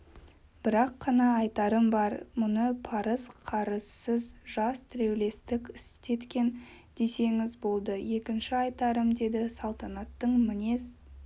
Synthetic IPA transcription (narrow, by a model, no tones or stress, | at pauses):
b̥ɪɾɑqːɑnɑːɑjt̪ɑɾəmbɑɾmʊnəpʰɑɾəzqʰɑɾəz̥səzʒɑst̪ʰɪɾe̞wle̞st̪ɪkʲɪst̪e̞t̪kʲe̞nd̪̥e̞se̞ŋɪzbo̞lˠd̪əje̞kʲɪnʃɪɑjt̪ɑɾəmd̪e̞d̪ɪsɑlˠt̪ɑnɑt̪ːəɴmɪne̞s